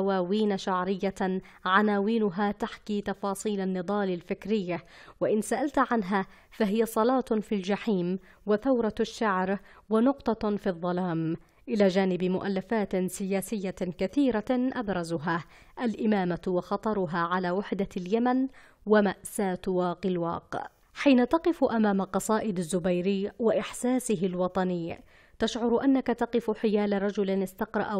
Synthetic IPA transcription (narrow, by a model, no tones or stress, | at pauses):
waːwiːnaʃaʕɾɪjːa | ʕanaːwiːnʊɦaːt̪aħkiːt̪ɑfɑːsˤiːlanːɨd̪ˤɑːlɪlfɪkɾɪjːawaʔɪnsaʔalt̪ʕanɦa | faɦɪjasˤɑlɑːt̪fiːld͡ʒaħiːm | wɪθawɾˤɑaʃːaʕɾ | wanʊqt̪ˤɑfiðˤːɑlaːm | ʔɪlaːd͡ʒaːnɪbmʊʔalːafaːt̪sɪjaːsɪjːakaθiːɾaʔabɾˤɑzʊɦa | ʔalʔɪmaːmawɑxɑt̪ˤɑɾˤʊɦaːʕalaːwɪħd̪aljaman | wamaʔsaːt̪wɑːqɪlwɑ̰ːq | ħiːnat̪ɑqɨfʔamaːmalqɑsˤɑːʔɪd̪azːʊbajɾɪjwaʔɪħsaːsɪɦɪlwɑt̪ˤɑnɪjː | t̪aʃʕʊɾʔanːakat̪ɑqɨfʊħɪjaːlaɾˤɑd͡ʒʊlɪnɪst̪ɑqɾˤɑ̰ʔ